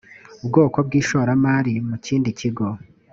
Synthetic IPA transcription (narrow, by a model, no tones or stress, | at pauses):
ubɡo̞ːko̞b̚ɡiːʃoːɾamaːɾimuciːndiciɡo̞